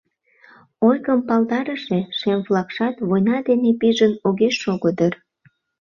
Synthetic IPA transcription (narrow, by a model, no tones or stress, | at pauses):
ojɣəmpɑld̪ɑɾəʃeʃemvlˠɑkʃɑt̪βojnɑd̪enepiʒənoɣeʃːoɣod̪ər